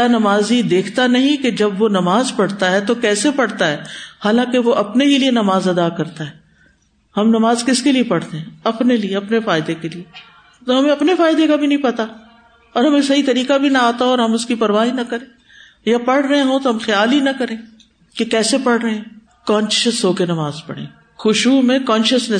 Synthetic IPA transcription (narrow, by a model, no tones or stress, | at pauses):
anɐmaːzid̪eːkʰt̪anɐɦĩked͡ʒɐbʋonɐmaːzpɐɽ̤t̪aɦɛt̪okɛːsepɐɽ̤t̪aɦɛːhaːlãkeʋoʔɐpnekilienɐmaːzɐd̪akɐɾt̪aɦɛː | hɐmnɐmaːzkɪskeliepɐɽ̤t̪eɦɛ̃ːɐpnelieɐpnefaːɪd̪ekelie | t̪oɦɐmẽɐpnefaːɪd̪ekabʱinɐ̃ɦĩpɐt̪a | ɔːɾɦɐmẽsɐɦit̪ɐɾiːkabʱinaaːt̪aɔːɾɦɐmʊskipɐɾʋaːɦinɐkɐɾẽː | jɐpɐɽ̤ɾɐɦẽɦõt̪oɦɐmxjaːlɦinɐkɐɾẽː | kekɛːsepɐɽ̤ɾɐɦẽ | kɔːnʃəsɦoːkenɐmaːzpɐ̰ɽ̤ḛ̃ː | xʊʃumẽkɔ̃ːnʃəsne